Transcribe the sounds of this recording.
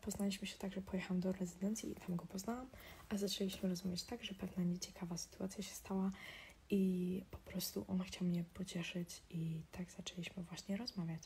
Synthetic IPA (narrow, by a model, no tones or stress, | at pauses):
pɔznalʲiɕmɘɕɛ̥t̪aɡʐɛpɔjɛxawamd̪ɔɾɛzɨd̪ɛnt̪sʲjḭit̪amɡɔpɔznawamʔazat͡ʂɛlʲiɕmɘɾɔzavʲjat͡ɕt̪aɡʐɛpɛvnaɲɛt͡ɕɛ̥kavasɘ̥t̪uat̪sʲjaɕɛ̥st̪awa | ʔipɔ̥pɾɔst̪ṵʔɔnaxt͡ɕawamɲɛpɔt͡ɕɛʂɘt͡ɕit̪aɡz̥at͡ʂɛlʲiɕmɘvwaɕɲɛɾɔzmavʲjat͡ɕ